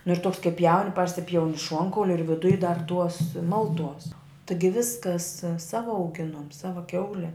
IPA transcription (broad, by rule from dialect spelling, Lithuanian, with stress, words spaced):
nʊ ɪr toːks kɐɪ pʲjɛʊnʲ ˈpɐrʲsʲɪpʲjɛʊnʲɪ ˈʃuɔŋkɐʊlʲɪ ɪr ʋʲɪˈdʊj dɐr ˈtuɔs ˈmɐlˠˌtuɔs ˈtɨɡʲɪ ˈʋʲɪskɐs ˈsɑːʋɐ ɐʊˈɡʲɪnuɔm ˈsɑːʋɐ ˈkʲɛʊlʲɛ